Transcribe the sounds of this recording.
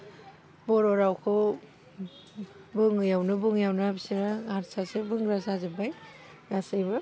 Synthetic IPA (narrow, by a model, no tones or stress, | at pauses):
bɔɾoɾawkʰɯ | bɯŋjawnɯbɯŋjawnɯbisiɾaaɾsasebɯŋɡɾasazɯbaj | ɡasajbɯ